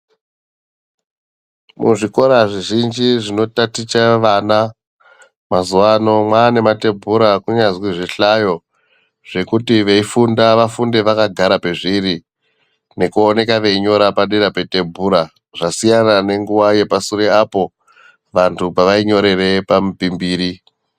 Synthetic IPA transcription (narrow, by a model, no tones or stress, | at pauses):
mṵʐiko̞ɾaʐiʒind͡ʒiʐino̞tatit͡ʃaʋana | mazuano̞mwaːne̞mate̞bʱuɾakuɲazwiʐiɬajo̞ | ʐ̥e̞kutiʋe̞ifundaʋafunde̞ʋakaɡʱaɾape̞ʐiɾi | ne̞kuone̞kaʋe̞iɲo̞ɾapaɗiɾapete̞mbʱuɾa | ʐasijanane̞ŋɡuʋaje̞pasuɾeapo̞ | ʋantʰupaʋaiɲo̞ɾe̞re̞pamupimbiːɾi